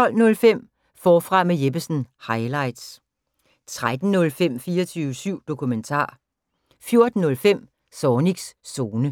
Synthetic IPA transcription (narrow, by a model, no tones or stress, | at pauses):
t͡sʰɒ̽l̰nɔ̽lfem̰ | fɒːfʁɑ̈mejeb̥əsn̩hɑ̈ɪlɑ̈ɪd̥s | t͡sʰʁad̥n̩nɔ̽lfem̰fiːɐt͡sʰyːʊəsyʊ̰d̥o̝kʰument͡sʰɑ̰̈ː | fjo̝ɐd̥n̩ːɔ̽lfem̰ | sɒːniɡ̥sːoːnə